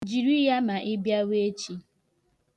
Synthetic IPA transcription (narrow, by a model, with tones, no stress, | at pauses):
d͡ʒi˨ɾi˦ja˦ma˨ʔɪ˦bja˦we˦e˦t͡ʃi˦